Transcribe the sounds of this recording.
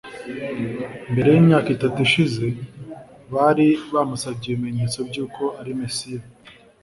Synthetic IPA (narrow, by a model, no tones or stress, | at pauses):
mbe̞ɾe̞jimɲaːkitatuʃize̞ | βaːɾiβaːmusabɟeβime̞ɲe̞ːt͡so̞b̚ɟuːko̞aɾimesija